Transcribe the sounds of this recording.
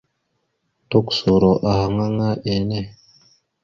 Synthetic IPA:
to˦kso˨ɾo˨ʔa˨ha˨ŋa˦ŋa˦ʔe˨˦ne˦

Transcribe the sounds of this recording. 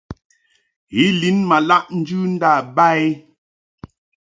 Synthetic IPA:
ɣi˦li˨˦nma˨la˦ʔn̩˦d͡ʒʉ˦n̩˦da˦˨ba˦e˦

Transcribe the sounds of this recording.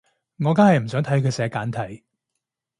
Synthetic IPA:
ŋɔː˨˧kaː˥hɐ˨jm̩˨˩sœː˨˥ŋt̪ʰɐ˨˥jkʰɵ˨˧sɛː˨˧kaː˨˥nt̪ʰɐ˨˥j

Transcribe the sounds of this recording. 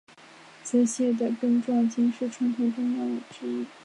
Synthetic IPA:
t͡sɹ̩˥˧ɕjɛ˥˩d̪ə˩kə˥ŋʈ͡ʂwɑ˥˩ŋt͡ɕi˥ŋʂɻ̩˥˩ʈ͡ʂʰwa˧˥nt̪ʰo˨˩ʈ͡ʂʊ˥ŋjɑ˥˩ʊd̪ə˩ʈ͡ʂɻ̩˥i˥˩

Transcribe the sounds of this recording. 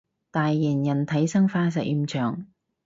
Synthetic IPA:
t̪aː˨jːɪ˨˩njɐ˨˩nt̪ʰɐ˨˥jsɐ˥ŋfaː˧˥s̬ɐ˨˩ʔiː˧mt͡ʃʰœː˨˩ŋ

